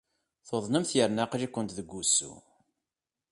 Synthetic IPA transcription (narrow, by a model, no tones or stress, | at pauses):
θoðˤnəmθjəɾnaqɾikʷːənt̪ðəɡʷːusːṵ